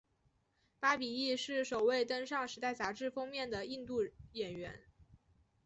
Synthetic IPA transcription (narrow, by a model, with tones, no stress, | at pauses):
pa˥pi˨˩i˥˧ʂɻ̩˥˩ʂo˨˩ʊwe˥˩ɪt̪ə˥nʂɑ˥˩ŋʂɻ̩˧˥t̪a˥˩ɪt͡sa˧˥ʈ͡ʂɻ̩˥˩fɤ˥ŋmjɛ˥˩nd̪ə˩i˥˧nt̪u˥˩jɛ˨˩nɥɛ˧˥n